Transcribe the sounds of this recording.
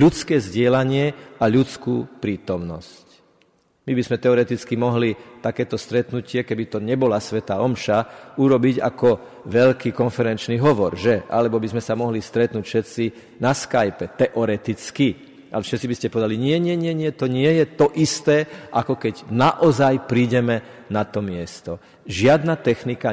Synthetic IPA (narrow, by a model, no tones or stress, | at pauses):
ʎut͡skɛːzɟɪɛlaɲɪɛaʎut͡skuːpɾiːt̪ɔmnɔ̰sc | mibizmɛt̪ɛɔɾɛt̪it͡skimɔɦlit̪akɛːt̪ɔst̪ɾɛt̪nucɪɛkɛbit̪ɔɲɛbɔlasʋɛt̪aɔmʃauɾɔbiɟa̰kɔ | ʋɛʎkiːkɔnfɛɾɛnt͡ʃniɦɔʋɔɾʒɛʔa̰lɛbɔbizmɛsamɔɦlist̪ɾɛt̪nuːcfʃɛt̪t͡si | naskajpɛt̪ɛʔɔɾɛt̪it͡ski | alɛfʃɛt̪t͡sibiscɛpɔʋɛd̪aliɲɪɛɲɪɛɲɪɛɲɪɛt̪ɔɲɪɛjɛt̪ɔʔist̪ɛːʔakɔkɛɟnaʔɔzajpɾiːɟɛmɛ | nat̪ɔmɪɛst̪ɔ | ʒɪad̪nat̪ɛxnika